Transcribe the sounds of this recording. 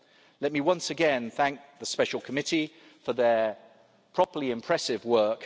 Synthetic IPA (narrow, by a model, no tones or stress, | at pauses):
lɛt̚miwʌ̃nsəɡɛ̃nθæ̃ŋk̚ðəspɛʃəlˠkʰəmɪti | fəðə | pʰɹ̥ɒpəliɪ̃mpʰɹ̥ɛsɪvwɜˑk